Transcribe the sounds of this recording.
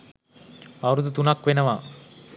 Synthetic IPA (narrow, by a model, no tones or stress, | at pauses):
ɐɾud̪ut̪unakʋenɐʋaː